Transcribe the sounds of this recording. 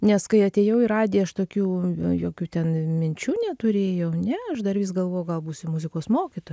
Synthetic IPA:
nʲɛskɐɪɐt̪ʲeːjɛʊiɾɑːd̪ʲeːɐʃt̪oːkʲuːjoːkʲuːt̪ʲɛnmʲɪnʲt͡ʃʲuːnʲɛt̪ʊɾʲeːjɛʊnʲɛɐʃd̪ɐrʋʲiːsɡɐlˠʋoːjʊɡɐlˠbuːsʲɪmʊzʲɪkoːsmoːkʲit̪oːj

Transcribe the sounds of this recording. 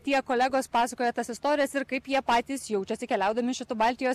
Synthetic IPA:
t̪ʲiɛkoːlʲæɡoːspɑːsɐkoːjɛːt̪ɐsɪst̪oːɾʲɪjɛsɪɾkɐɪpjiɛpɑːt̪ʲiːsjɛʊt͡ʃʲɛsʲɪkʲɛlʲæˑʊd̪ɐmʲɪʃʲɪt̪uːbɐlʲt̪ʲɪjoː

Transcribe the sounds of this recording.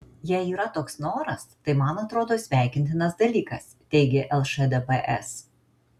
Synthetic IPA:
jɛɪiːɾɐt̪oːksnoːɾɐst̪ɐɪmɐnɐt̪ɾoːd̪oːsʲʋʲæˑɪkʲɪnʲt̪ʲɪnɐsd̪ɐlʲiːkɐs | t̪ʲɛɪɡʲeʔɛlˠʃɛd̪ɛpɛʔɛ̰s

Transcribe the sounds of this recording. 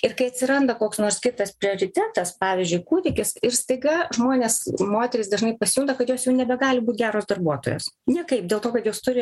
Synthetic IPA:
ɪrkɐɪɐt̪ʲsʲɪɾɐnd̪ɐkoːksnoːɾskʲɪt̪ɐspʲɾʲɪoːɾʲɪt̪ʲæːt̪ɐspɑːʋʲɪzʲd͡ʒʲʊɪkuːd̪ʲɪkʲɪsɪrst̪ɐɪɡɐʒmoːnʲeːsmoːt̪ʲɛɾʲɪsd̪ɐʒnɐɪpɐsʲɪjʊnd̪ɐkɐt̪joːsjɛʊnʲɛbʲɛɡɑːlʲɪbuːt̪ɡʲæːɾoːsd̪ɐrbuɔt̪o̰ːjo̰ːsnʲiɛkɐɪp̚dʲeːlˠt̪oːkɐt̪joːst̪ʊɾʲɪ

